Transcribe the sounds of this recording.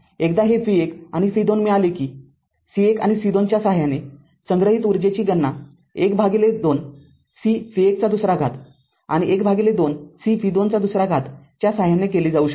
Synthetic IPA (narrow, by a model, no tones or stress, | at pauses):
ekd̪aɦefiekañifid̪onmialekiː | sieka̰ñisid̪ont͡ɕjasaɦjane | səŋɡɾəɦiːt̪uɾd͡ʑet͡ɕiːɡənːa | ekbʱaɡiled̪on | sifiek̚t͡sad̪usɾaɡʱat̪ | a̰ɽ̃iʔekbʱaɡiled̪onsifid̪ont͡sad̪usɾaɡʱat̪ | t͡ɕjasaɦjanekeliːd͡zauːɕə̥k